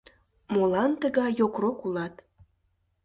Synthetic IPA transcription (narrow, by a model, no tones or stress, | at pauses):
molɑnt̪əɣɑjjokrokulɑt̪